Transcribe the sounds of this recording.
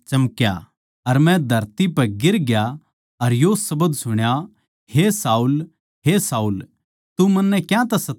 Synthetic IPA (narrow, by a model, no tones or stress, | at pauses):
t͡ʃɐmkja̰ | ɐɾmɛ̃d̪ʱɐɾt̪ipɐɡɪɾɡja | ɐɾjosɐbəd̪sʊɽ̃ja | hesaːul | ɦesaːuːl | t̪umɐ̃nːɛkjãt̪ɐsɐ